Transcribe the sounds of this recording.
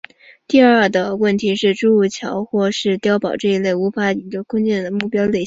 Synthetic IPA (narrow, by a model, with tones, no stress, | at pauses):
t̪i˥˧ɐ˞˥˩d̪ə˩wə˥˩nt̪ʰi˧˥ʂɻ̩˥˧ʈ͡ʂu˥u˥˩t͡ɕʰjɑ˧˥ʊxwɔ˥˧ʂɻ̩˥˧t̪jɑ˥ʊpɑ˨˩ʊʈ͡ʂɤ˥˩i˧˥le˥˩ɪu˧˥fa˧˥i˧˥ɡə˧kʰwə˥nt͡ɕjɛ˥˩nd̪ə˩mu˥˩pjɑ˥ʊle˥˩ɪɕ